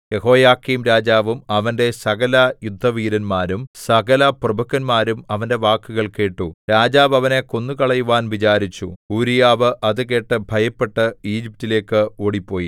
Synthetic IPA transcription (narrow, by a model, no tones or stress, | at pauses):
je̞ho̞ːjaːkːimɾaːd͡ʑaːʋumɐʋɐnde̞sɐɣɐlɐjud̪ʱːɐʋiːɾɐnmaːɾumsɐɣɐlɐprɐbʱɐkːɐnmaːɾumɐʋɐnde̞ʋaːkːuɣɐɭke̞ːʈːuɾaːd͡ʑaːbɐʋɐne̞ko̞nːukɐɭɐjuʋaːnʋit͡ɕaːɾit͡ɕːuuːɾijaːʋɨʔɐðuke̞ːʈːɨbʱɐjɐpːe̞ʈːɨiːd͡ʑip̚tile̞ːkːɨo̞ːɽipːo̞ːji